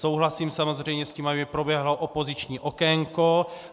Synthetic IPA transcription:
sowɦlasiːmsamozrɛjmɲɛsciːmabɪpɾobjɛɦloʔopozit͡ʃɲiːʔokɛŋko

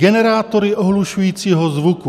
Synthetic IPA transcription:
ɡɛnɛɾaːt̪oɾɪʔoɦluʃujiːt͡siːɦozvuku

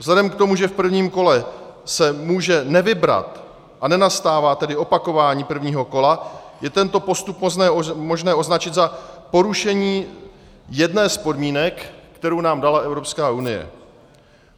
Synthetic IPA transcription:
vzlɛdɛmkt̪o̞muʒɛfpr̩vɲiːmko̞lɛsɛmuːʒɛnɛvɪbɾa̰t̪ | ʔanɛnast̪aːvaːt̪ɛdɪo̞pako̞vaːɲiːpr̩vɲiːɦo̞ko̞lajɛt̪ɛnt̪o̞po̞st̪upɛːmo̞ʒnɛːo̞znat͡ʃɪt̪zapo̞ɾuʃɛɲiː | jɛdnɛːspo̞dmiːnɛkːt̪ɛɾownaːmdalaʔɛvɾo̞pskaːʔunɪjɛ̰

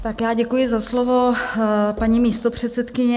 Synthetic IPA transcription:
t̪akjaːɟɛkujɪzaslovo̞ | paɲiːmiːst̪o̞pr̝̥ɛt̪sɛt̪kɪɲɛ

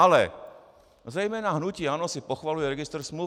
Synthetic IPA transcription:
alɛ̰ | zɾɛjmɛːnaɦnuciːaːnɔsipɔxʋalujɛɾɛɡist̪ɛɾsmlu

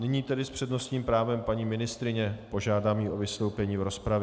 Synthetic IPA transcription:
nɪɲiːt̪ɛdɪspr̝̥ɛdno̞st̪ɲiːmpɾaːvɛmpaɲiːmɪnɪst̪ɾɪɲɛpo̞ʒaːdaːmjiʔo̞vɪst̪o̞wpɛɲiːvɾo̞spɾav

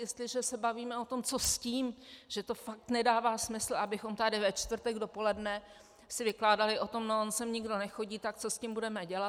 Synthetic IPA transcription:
jɛst̪lɪʒɛsɛbaviːmɛot̪o̞mt͡so̞sciːmʒ̥ɛt̪ofak̚t̪nɛdaːvaːsmɪsl̩ʔabɪxo̞mt̪adɪvɛt͡ʃt̪vr̩t̪ɛɡdo̞po̞lɛdnɛ | sɪvɪklaːdalɪʔo̞t̪o̞mnoonsɛmɲɪɡdo̞nɛxo̞ɟiːt̪ak̚t͡so̞scɪmbudɛmɛɟɛla

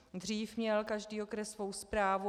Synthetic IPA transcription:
d̪riːfmɲɛlkaʒdiːo̞kɾɛsːvo̞wspɾaːvu

